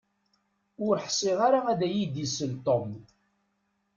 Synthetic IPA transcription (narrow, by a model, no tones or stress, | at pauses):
ʊɾħsˤɪʁaɾaæðæjid̪isəlt̪om